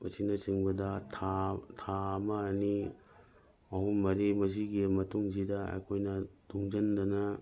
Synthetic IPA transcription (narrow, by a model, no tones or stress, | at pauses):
ɐsinɐt͡ʃiŋbɐdɐtʰatʰaɐmɐːni | ɐɦumːɐɾimɐs̬iɡimɐtuŋsidɐɐ̰jkʰojnɐduŋd͡ʒɐndɐnɐ